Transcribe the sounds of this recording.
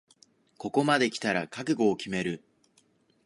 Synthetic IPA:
ko̞ko̞mad̪e̞kʲi̥t̪aɾakakɯ̟ɡo̞ːkʲime̞ɾɯ̟

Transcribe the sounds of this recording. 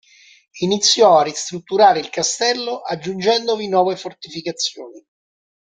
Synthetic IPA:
init̪sːjɔarːist̪ɾut̪ːuɾaːɾeilkast̪ɛlːoʔad͡ʒːund͡ʒɛnd̪ovinwɔːvefort̪ifikat̪sːjo̰ːni

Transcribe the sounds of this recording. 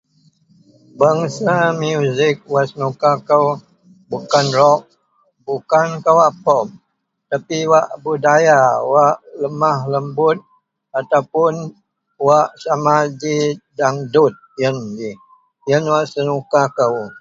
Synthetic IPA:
baŋsamjuzɪk̚waʔsənukakəw | bukanrɔʔ̚ | bukankəwapɔm̚ | t̪apiwaʔbudajawaʔləmahləmbʊt̪̚ | at̪awpʊn | waʔsamad͡ʒidaŋdut̪̚jəndi | jənwaʔsənukakəw

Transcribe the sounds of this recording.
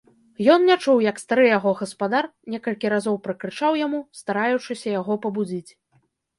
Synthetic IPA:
jɔnnʲat͡ʂuwjɐkst̪aɾɨjaɣɔɣɐspad̪arnʲɛkɐlʲkʲiɾazɔwpɾɐkɾɨt͡ʂawjamust̪aɾajut͡ʂɨsʲɐjaɣɔpɐbud͡zʲit͡sʲ

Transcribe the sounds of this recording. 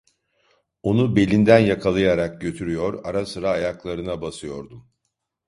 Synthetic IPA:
o̞nube̞lʲind̪ænjakʰalˠajaɾak̚ɟø̞t̪ʰyɾyjo̞ɾaɾasɯɾaːjaklˠaɾɯnabasɯjo̞ɾd̪um

